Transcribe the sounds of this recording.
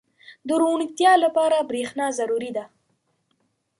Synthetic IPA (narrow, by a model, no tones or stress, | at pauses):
d̪əɾoɳikt̪jɑlapɑɾabɾexnɑzaɾuɾid̪a